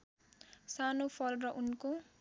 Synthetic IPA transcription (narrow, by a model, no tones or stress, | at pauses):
sanopʰʌlrʌʔunko